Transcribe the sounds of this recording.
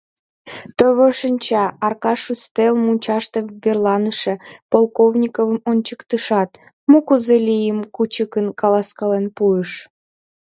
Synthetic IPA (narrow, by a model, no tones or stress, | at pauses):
t̪əβəʃənʲt͡ɕɑɑrkɑʂust̪elmunʲt͡ɕɑʃt̪evʲerlˠɑnɨʃepolˠkovnʲikovə̆mont͡ɕəkt̪ɨʃɑt̪ | mokuzelʲijəmkut͡ɕəkənkɑlˠɑskɑlenpujəʃ